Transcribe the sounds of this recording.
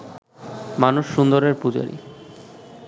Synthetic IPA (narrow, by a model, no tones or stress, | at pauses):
manuʃːund̪oɾeɾpud͡ʑo̰ɾḭ